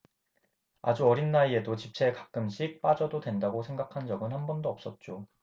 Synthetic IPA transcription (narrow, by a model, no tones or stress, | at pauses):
a̰d͡ʑuʌɾinːaie̞dot͡ɕip̚t͡ɕʰe̞kak̚k͈ɯmɕ͈ʰik̚p͈ad͡ʑʌdodwe̞ndaɡosʰe̞ŋɡakʰand͡ʑʌɡɯnhanbʌndoʌp̚s͈ʌt̚t͡ɕ͈o